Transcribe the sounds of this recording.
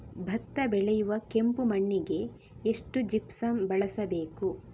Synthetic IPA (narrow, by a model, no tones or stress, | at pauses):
bʱɐt̪ːɐbɛɭɛjuʋɐke̞mpumɐɳːiɡe̞ | eʂʈud͡ʒipsɐmbɐɭɐsɐbe̞ːku